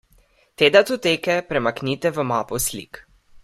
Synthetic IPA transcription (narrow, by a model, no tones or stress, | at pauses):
t̪eːd̪at̪ut̪eːkɛpɾɛmaknit̪ɛʋəmaːpɔslḭk